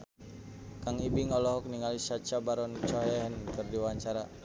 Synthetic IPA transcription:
kaŋibiŋɔlɔɦɔk̚niŋalisat͡ʃabaɾɔnt͡ʃɔɦɛɦənkɨrdiwaɲt͡ʃaɾa

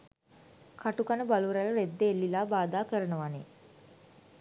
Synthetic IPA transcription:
kʰaʈukanəbaluɾaləɾed̪ːeːlːilaːbaːd̪aːkəɾənəʋane

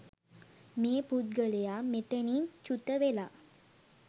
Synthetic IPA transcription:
meːpud̪̚ɡəlejamet̪enint͡ʃut̪əʋela

